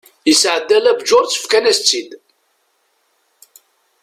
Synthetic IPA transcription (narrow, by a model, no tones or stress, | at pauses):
əsʕəd̪ːælæbd͡ʒʊɾt͡sːə̥fkænæst͡sːid̪